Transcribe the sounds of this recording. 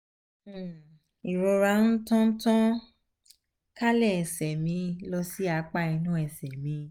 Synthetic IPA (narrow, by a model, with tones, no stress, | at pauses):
i˨ɾo˧ɾa˧˦n̩˦tɔ̃˦tɔ̃˦ | ka˦lɛ˦˨ɛ˨sɛ˨mĩ˧˦lɔ˧si˦a˧k͡pa˦˨i˧nũ˦ɛ˨sɛ˨mĩ˨˧˦